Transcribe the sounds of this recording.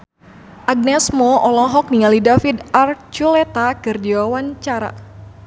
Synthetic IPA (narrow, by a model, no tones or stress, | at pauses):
ʔaɡ̚nɛsmɔʔɔlɔɦɔk̚niŋalidafidart͡ʃulɛt̪akɨrd͡ʒiwawaɲt͡ʃaɾa̰